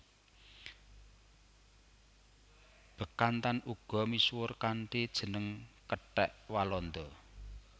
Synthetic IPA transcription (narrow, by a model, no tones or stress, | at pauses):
b̥ə̤kant̪anuɡ̥ɔ̤miswʊrkaɳʈid̥ʒ̥ə̤nəŋkəʈɛʔwalɔnd̪ɔ